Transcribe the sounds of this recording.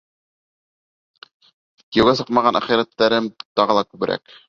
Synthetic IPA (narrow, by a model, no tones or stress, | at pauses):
kiɘwɡæsɤqmɑʁɑnæ̰χiɾæt̪ːæɾɘmt̪ɑʁɤ̆lˠɑkʉβɘ̆ɾʔæ̰k